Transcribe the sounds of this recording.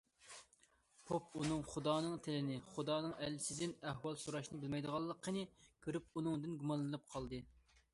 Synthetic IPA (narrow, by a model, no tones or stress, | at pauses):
pʰopunɨŋχud̪ɑːnɨŋt̪ʰɪlɪnɪχud̪ɑːnɨŋɛlːɪsɪd̪ɪnɛhwɑlˠsuɾɑʃnɨbɪlmɛjd̪əʁɑlˠːəqʰːənɨkʲʰøɾyp̚unɨŋd̪ɪnɡumɑnlːˠɨnɨp̚qʰɑlˠd̪ɨ